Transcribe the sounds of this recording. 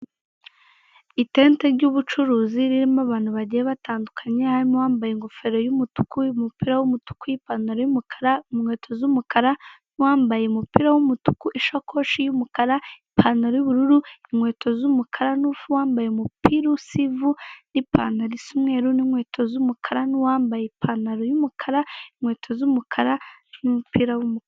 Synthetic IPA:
iteːnteɾɟuβut͡ʃuɾuːziɾiɾimaβaːn̥huβaɟijeβataːndukʰḁɲehaɾimuwaːmbajeŋɡofe̞ɾojumutu̥kuimupiɾawumutu̥kujipaːnoɾojumukʰḁɾamŋwe̞ːtʰo̞zumukaɾanuwaːmbajemupiɾawumutu̥kuʔiʃokʰoʃijumukaɾaipʰaːnaɾojuβuɾuɾuimwe̞ːtʰozumukʰaɾanufuwaːmbajemupiɾusivunipa̰naɾisumweːɾunimŋweːtʰozumukʰaɾaniwaːmbajepʰanaɾojumukʰaɾaiŋweːtʰozumukʰaɾanimupiɾawumuk

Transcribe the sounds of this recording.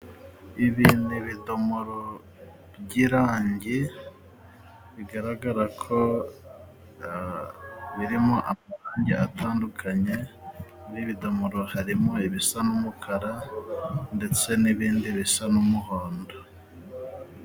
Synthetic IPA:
iβiniβido̞moɾo | bɟiɾaːɲɟe | βiɡaɾaɡaɾakʰo̞ | βiɾimo̞ʔamaɾaːɲɟḛa̰tʰaːndukʰaɲe̞ | ɾiβido̞moɾohaɾimo̞iβisanumukʰaɾa | nde̞t͡se̞niβiːndiβisanumuhoːndo

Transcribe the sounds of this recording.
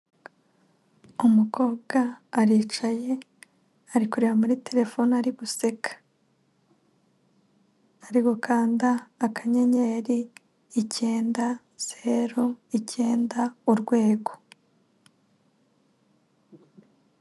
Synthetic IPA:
umuko̞ːbɡaːɾiːt͡ʃaje̞ | aɾikuɾiɾamuɾite̞ɾe̞fo̞naɾiβuse̞kʰḁ | aɾiɡo̞kʰaːndaːkaɲe̞ɲe̞ɾiː | ce̞ːnda | z̥eɾoice̞ːndauɾɡwe̞ːɡo̞̥

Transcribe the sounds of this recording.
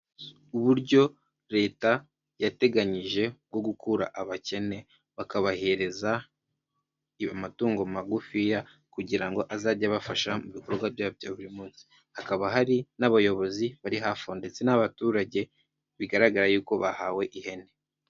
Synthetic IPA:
uβuɾɟo̞ | ɾe̞ːta | jate̞ɡaɲiʒe̞bɡo̞ɡukuɾa̰ʔaβace̞ne̞ | βakaβahe̞ɾe̞za | matuːŋɡomaɡufija | kuɟiɾaŋɡo̞ʔazaːɾɟaβafaʃamuβikoɾbɡabjaːbjoβuɾimuːnsi̥ | hakaβaɦaɾinaβajo̞βo̞ziβaɾiɦaːfonde̞t͡se̞naβatuːɾaɟe̞ | βiɡaɾaɡaɾajuːko̞βahaːwe̞ʔihe̞ne

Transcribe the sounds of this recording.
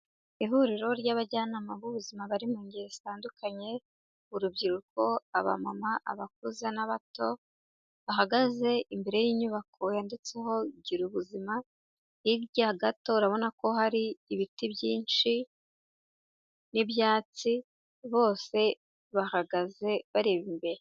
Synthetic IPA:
iɦuɾiɾo̞ɾɟaβaɟaːnamaβuβuzimaβaɾimuɲɡiɾestaːndukʰaɲe̞ | uɾubɟiɾuko̞aβa̰mamaʔa̰βak̚uzanaβato̞ | βahaɡaze̞imbe̞ɾe̞jiːɲuβakʰo̞jaːndet͡se̞ho̞ɟiɾuβuzima | iɾɟaɡato̞uɾaβo̞nako̞ɦaɾiːβitibjiːnt͡ʃi | niβjaːt͡si | βo̞ːse̞ | βahaɡaze̞βaɾeβimbe̞ɾe

